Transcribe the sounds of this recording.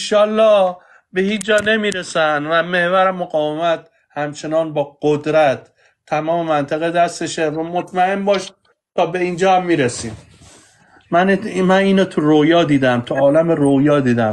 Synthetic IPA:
ʃɒːlːɒːh | behiːt͡ʃd͡ʒɒːne̞miːɾesænvæme̞hvæɾemoɡɒːvemæt̪̚ | hæmt͡ʃʰe̞nɒːnbɒːɡ̥od̪ɾæt̪ʰː | æmɒːmemænt̪ʰæɣed̪æst̪eʃevæmot̪ʰmæe̞nbɒːʃ | t̪ʰɒːbeiːnd͡ʒɒːhæmːiːɾesiːm | mænmæniːnot̪ʰuɾojɒːd̪iːd̪æmt̪ʰuɒːlæmeɾojɒːd̪iːd̪æm

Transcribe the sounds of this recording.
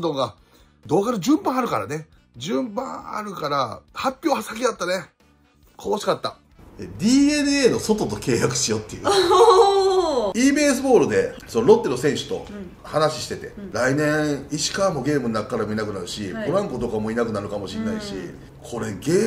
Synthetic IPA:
d̪oɡa | d̪o̞ːɡaɾɯ̟d͡ʑɨ̃mbãɰ̃aɾɯ̟kaɾa̰ne̞ | d͡ʑɨ̃mbã̰ɰa̰ɾɯ̟kaɾahapʲːjo̞ːhasakʲid̪at̪ːane̞ | kʰooɕi̥kat̪ːa | ed̪ʲiːe̞nɯ̟e̞ːno̞so̞t̪o̞t̪o̞ke̞ːjakɯ̟̥ɕijo̞t̪ːe̞jɯ | iːbe̞ːs̬ɨbo̞ːɾɯ̟d̪e̞sonoɾo̞t̪ːe̞ɾosẽ̞ɰ̃ɕɨ̥t̪o̞̰ | hanaɕi̥ɕi̥t̪e̞t̪e̞̰ɾainẽ̞ɰ̃iɕi̥kaːmo̞ɡʲe̞ːmɯ̟nːakːaɾamo̞inakɯ̟naɾɯ̟ɕioɾãŋkod̪o̞kamo̞inakɯ̟naɾɯ̟kamo̞ɕinːaiɕḭ | kʰo̞ɾe̞ɡe̞ː

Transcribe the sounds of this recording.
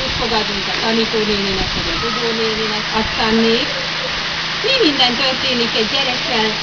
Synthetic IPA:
ut̪foɡɑd̪unt̪ɑt̪ɑlit̪oːneːninɛkːodɑbuɡoːneːninɛkɑt̪ːɑnːeːk | miːmind̪ɛnt̪ørt̪eːnikːɛɟjɛɾɛkːɛl

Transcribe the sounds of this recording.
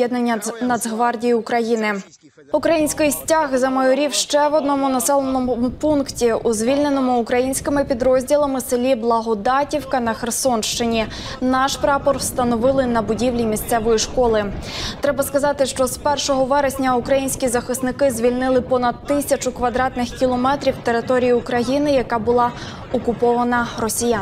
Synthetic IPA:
jɛd̪nenʲːnɐd̪ɦʋɑrdʲijiʊkɾɐjinɪ | ʊkɾɐjinʲsʲkɪjsʲtʲaɦzɐmɐjɔɾʲiwʃt͡ʃɛʋɔd̪̚nɔmʊnɐsɛlˠenɔmʊmʊpunktʲiʔuzʲʋʲilʲne̞nɔmʊːkɾɐjinʲsʲkɪmɪpʲid̪ɾɔzʲdʲilˠɐmɪselʲiblˠɐɦɔd̪ɑtʲiwkɐnɐxersɔnʃt͡ʃɪnʲi | nɑʃpɾɑpɔrwst̪ɐnɔʋɪlˠɪnɐbʊdʲiʋlʲimʲist̪sɛʋɔjiʃkɔlˠɪt̪ɾɛbɐskɐzɑt̪ɪʃt͡ʃɔspɛrʃɔɦɔʋɛɾesʲnʲɐʊkɾɐjinʲsʲkʲizɐxɪst̪nɪkɪzʲʋʲilʲnɪlˠɪpɔnɐd̪̚t̪ɪsʲɐt͡ʃʊkʋɐd̪ɾɑt̪nɪxkʲilˠɔmɛt̪ɾʲiwt̪e̞ɾɪt̪ɔɾʲijiʊkɾɐjinɪjɐkɑbʊlˠɑ | ɔkʊpɔʋɐnɐɾɔsʲijan

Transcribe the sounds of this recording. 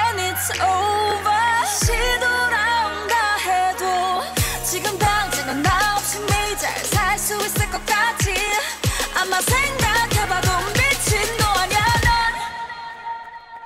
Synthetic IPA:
ɛnisobaɕidoɾaundahedot͡ɕiɡɯmtaŋt͡ɕiŋnɯnnaʌp̚ɕiŋmeid͡ʑa̰sʰaɭs͈uis͈ɯɭk͈ʌk͈ad͡ʑi | amːasʰeŋɡakʰe̞baɡomːit͡ɕʰindoaɲjanɯn

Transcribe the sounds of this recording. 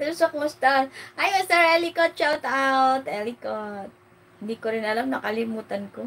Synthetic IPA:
t̪əɾusɔk̚must̪anajɛst̪aɾelikɔt̪̚t͡ʃat̪awt̪elikɔt̪̚ | dikuɾindalamnakalimut̪ənku

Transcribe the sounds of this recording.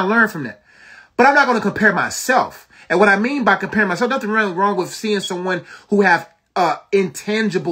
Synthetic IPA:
lɜ̃˞nfɹʌ̃mðæ̰t̚ | b̥ʌɾãɪ̃mnətɡõnəkʰɨ̃m̩pʰɛɹmaɪsɛlˠf | ɨ̃nwʌɾaɪmĩnbaɪkɨ̃mpʰɛɹɪ̃ŋmaɪsɛlˠfnʌθɪ̃ŋɹɪlˠiɹɔ̃ŋwɪð̥siɪ̃ŋsʌ̃mwʌ̃nhuɨv | ʌɪ̃ntʰæ̃nd͡ʒɨb

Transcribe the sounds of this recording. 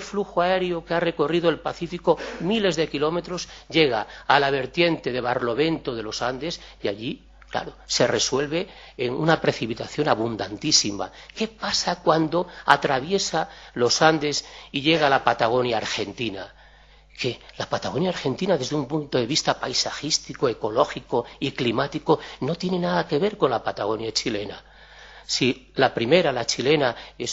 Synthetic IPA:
lfluxoae̞ɾjokeare̞ko̞riðo̞e̞lpaθifiko̞mile̞zðe̞kilo̞me̞t̪ɾo̞zʝe̞ɣ̞aːlaβ̞e̞ɾt̪je̞nt̪e̞ðe̞βarlo̞βe̞nt̪oðe̞lo̞sand̪e̞siaʎi | kla̰ɾo̞se̞re̞swe̞lβe̞ | eŋunapɾe̞θipit̪aθjo̞naβ̞und̪ant̪isima̰ke̞pasakwand̪o̞a̰t̪ɾaβje̞salo̞sand̪e̞siʎe̞ɣalapat̪aɣ̞o̞njaːɾxe̞nt̪ina | kelapat̪aɣo̞njaːɾxe̞nt̪inaðe̞zðumpunt̪o̞ðe̞β̞ist̪apajsaxist̪ikoe̞ko̞lo̞xiko̞iklimat̪iko̞no̞t̪je̞ne̞naðake̞β̞e̞ɾko̞nlapat̪aɣo̞njat͡ʃile̞na̰ | silapɾime̞ɾalat͡ʃile̞nae̞s

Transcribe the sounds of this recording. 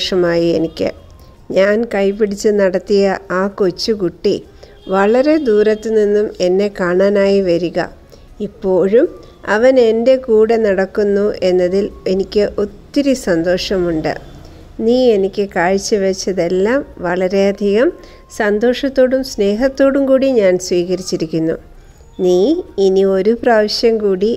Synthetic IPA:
ʂɐmaːjie̞nikʲːɨ̰ | ɲaːnkɐjpːiɽit͡ɕːɨnɐɽɐt̪ːijɐaːko̞t͡ɕːukuʈːi | ʋɐɭɐɾe̞d̪uːɾɐt̪ːɨninːume̞nːe̞kaːɳaːnaːjiʋɐɾuɣɐ̰ | ipːo̞ːɻum | ɐ̰ʋɐne̞nde̞kuːɽenɐɽɐkːunːuʔe̞nːɐðile̞nikʲːɨʔo̞t̪ːiɾisɐnd̪o̞ːʂɐmuɳɖɨ̰ | niːe̞nikʲːɨkaːɻt͡ɕːɨʋet͡ɕːɐðe̞lːaːmʋɐɭɐɾe̞ɐd̪ʱiɣɐm | sɐnd̪o̞ːʂɐt̪ːo̞ːɽumsne̞ːɦɐt̪ːo̞ːɽumkuːɽiɲaːnsʋiːɣɐɾit͡ɕːiɾikʲːunːṵ | niːinio̞ɾupraːʋɐɕjɐmkuːɽi

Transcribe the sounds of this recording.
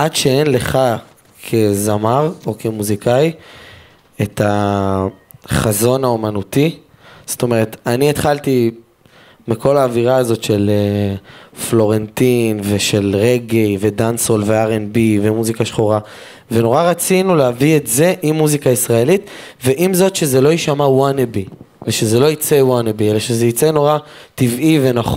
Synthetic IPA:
ʔadʃeenle̞χa | kʰe̞zamaʁo̞kʰe̞muzikaj | et̪ʰa | χazo̞naomanut̪i | z̥o̥t̪o̞me̞ʁe̞t̪aniet̪χalt̪i | mikʰo̞laːviʁaazo̞tʃe̞le | flo̞ʁe̞nt̪inveʃe̞lʁeɡejve̞dansolveaʁenbivemuzikaʃχoʁa | ve̞no̞ʁaʁat͡sinuleavietze̞ʔimːuzikaisʁae̞lit̪ | ve̞ʔimzo̞tʃezelo̞iʃamawanebiveʃezelo̞it͡sewanebielaʃezeit͡seno̞ʁat̪ivʔive̞naχ

